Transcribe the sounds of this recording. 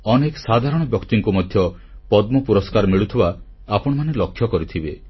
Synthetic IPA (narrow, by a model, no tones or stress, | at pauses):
ɔneksad̪ʱaɾɔɽ̃ɔbjɔkt̪iŋkumɔd̪ʱjɔ | pɔd̪mɔpuɾɔskaɾɔmiɭut̪ʰiba | apɔɽ̃ɔmanelɔkʰːjɔkɔɾit̪ʰibe